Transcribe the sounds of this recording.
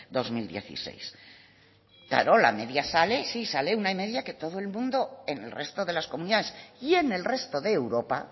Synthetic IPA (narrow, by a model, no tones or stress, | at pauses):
d̪o̞zmild̪je̞̰θḭse̞̰js | kla̰ɾola̰me̞ðjasale̞sisale̞unaime̞ðjake̞t̪o̞ð̞oe̞lmũnd̪o̞e̞ne̞lre̞st̪o̞ðe̞laskomũniðanesje̞ne̞lre̞st̪o̞ðe̞ːwɾo̞pa